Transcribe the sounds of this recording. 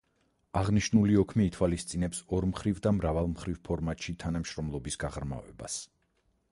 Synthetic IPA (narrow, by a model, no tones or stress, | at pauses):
aʁniʃnuliɔkʰmiːt̪ʰwalist̪sʼinɛpsɔɾmχɾivd̪amɾavalˠmχɾivpʰɔɾmat̪ʃit̪ʰanamʃɾɔmlˠɔbisɡ̥aʁɾma̰vɛ̰ba̰s